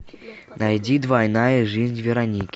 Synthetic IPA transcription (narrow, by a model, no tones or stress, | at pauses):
najd͡zʲid̪vajnajɐʐɨzʲnʲvʲɛɾanʲikʲi